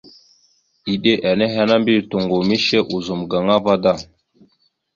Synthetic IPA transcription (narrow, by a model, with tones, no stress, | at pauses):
i˨ɗe˦ʔa˨ne˦ɦa˦na˦mbi˦˨tu˨ŋɡu˨mi˦ʃe˦ʔu˨zu˨mɡa˨ŋa˦va˦da˦˨